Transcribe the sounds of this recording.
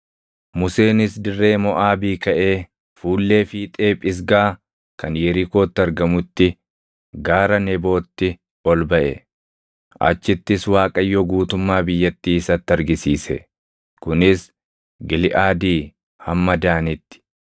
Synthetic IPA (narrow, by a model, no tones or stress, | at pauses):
mʊse̞ːnɪsd̪ɪrːe̞ːmɔʔaːbiːkɐʔe̞ː | fuːlːe̞ːfiːt̪ʼe̞ːpʼɪs̬ɡaː | kɐnjɛɾɪko̞ːt̪ːɪɐɾɡɐmʊt̪ːɪ | ɡaːɾɐnɛbo̞ːt̪ːɪ | ɔlbɐʔɛ̰ | ʔɐ̰t͡ʃːɪt̪ːɪswaːkʼɐjːoɡuːt̪ʊmːaːbɪjːɐt̪ːiːɪsɐt̪ːɐɾɡɪsiːsɛ̰ | kʊnɪs | ɡɪlɪʔaːd̪iː | hɐmːɐd̪aːnɪt̪ːɪ̥